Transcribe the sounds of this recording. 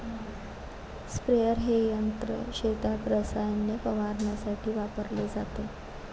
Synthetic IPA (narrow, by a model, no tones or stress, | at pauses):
spɾejəɾɦejənt̪ɾə̰ɕet̪at̪ɾəsajənːepəʋaɾnjasaʈʰiːʋapəɾled͡zat̪e